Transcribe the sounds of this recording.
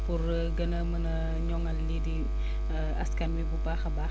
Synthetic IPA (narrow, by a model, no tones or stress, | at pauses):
pur | ɡɐnɐmɐnɐ | ɲɔŋɐlːidi | ɐ̰skɐnwibubaxɐbaː